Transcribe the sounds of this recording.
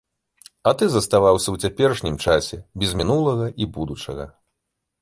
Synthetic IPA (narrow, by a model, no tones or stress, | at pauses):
ɐt̪ɨzɐst̪avawsʲɐwt͡sʲapʲɛrʂnʲimt͡ʂasʲɛbʲɛzʲmʲinulˠɐɣɐʔibud̪ut͡ʂɐ̰ɣɐ̰